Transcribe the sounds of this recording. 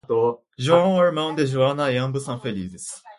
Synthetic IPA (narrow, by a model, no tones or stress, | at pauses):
t̪o | ʑuãaɾmãʊ̃nd̪eʑuanajãmbɯsãɸelʲḭd̪es